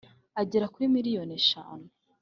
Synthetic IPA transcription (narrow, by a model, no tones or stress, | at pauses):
aɟeɾakuimiɾijoneʃa̰ːne